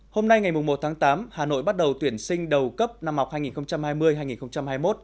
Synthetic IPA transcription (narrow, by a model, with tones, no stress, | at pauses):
ho˧mna˧jŋa˨˩jmʊ˨˩ŋ͡mmo˨˩t̚t̪ʰaː˨˦ŋt̪aː˨˦mhaː˨˩no̰˧˨jɓa˦˥t̚ɗə˨˩wt̪wi˧˩ənsï˧ŋ̟ɗə˨˩wkə˦˥p̚na˧mha˨˩k͡p̚aː˧jŋi˨˩nxə˧wŋ͡mt͡ɕa˧mhaː˧jmɨ˧əjɦaː˧jŋi˨˩nxə˧wŋ͡mt͡ɕa˧mhaː˧jmo˦˥t̚